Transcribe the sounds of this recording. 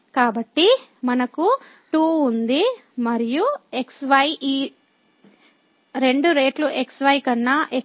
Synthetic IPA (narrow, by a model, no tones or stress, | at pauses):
kaːbɐʈːimɐnɐku | ʈuːnd̪imɐɾijue̞ksʋɐjʔiː | ɾe̞ɳɖuɾe̞ːʈluʔeksʋɐjkɐnːaʔek